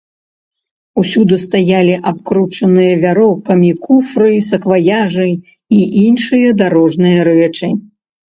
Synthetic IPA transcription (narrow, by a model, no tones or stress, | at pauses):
usʲud̪ɨst̪ajalʲiʔap̚kɾut͡ʂɐnɨjɐvʲaɾɔkɐmʲikufɾɨsɐkvajaʐɨ | iʔinʂɨjɐd̪aɾɔʐnɨjɐɾɛt͡ʂɨ